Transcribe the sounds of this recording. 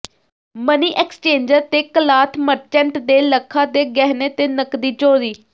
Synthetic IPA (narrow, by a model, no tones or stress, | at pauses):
məniːʔɛːkst͡ʃẽːɲd͡ʒəɾt̪eːkəlaːt̪ʰməɾt͡ʃɛ̃ɳʈd̪eːləkʰːãːd̪eːɡɛːɦneːt̪eːnəkd̪iːt͡ʃoːɾiː